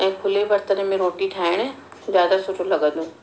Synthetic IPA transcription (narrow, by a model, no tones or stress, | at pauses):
ɛ̃kʰʊlebɐɾt̪əɾẽmẽɾoːʈiʈʰaːɪɽ̃ɛ̃ | zjaːd̪asʊt͡ʃʰolɐɡəd̪ũː